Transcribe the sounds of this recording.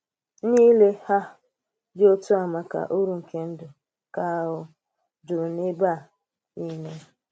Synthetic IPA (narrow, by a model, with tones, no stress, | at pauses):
niː˦le˦ha˦ | dɪ˦o˦tʊ˦a˨ma˨ka̰˨ʔo˦ɾu˦˨ŋ̩˨ke˦n̩˦dʊ˨ | ka˦ɦʊ˦ | dʊ˨ne˦ba˦˨ | i˦ne˦